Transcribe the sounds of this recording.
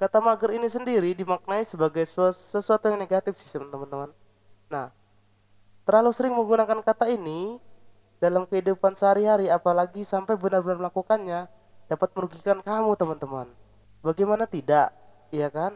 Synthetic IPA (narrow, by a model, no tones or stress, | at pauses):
kat̪amaɡəɾinis̬əndiɾidimak̚naisəbaɡajssəsuat̪ujaŋneɡat̪ɪfsɪ̥ht̪əmant̪əmant̪əmanː | ah | t̪ərɾlalusəɾɪŋməŋɡunakankat̪aini | dalamkəidupansəɦaɾiɦaɾiapalaɡisampajbənarbənarməlakukanɲa | d̥apat̪̚məɾuɡikankamut̪əmant̪əman | baɡajmanat̪idaʔ | jakan